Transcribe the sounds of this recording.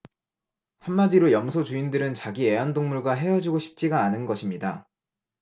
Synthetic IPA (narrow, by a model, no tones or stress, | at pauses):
hamːadiɾojʌmsʰot͡ɕuindɯɾɯnt͡ɕaɡie̞andoŋmuɭɡwaɦe̞jʌd͡ʑiɡoɕʰi̥p̚t͡ɕ͈iɡaːnɯnɡʌɕʰimɲida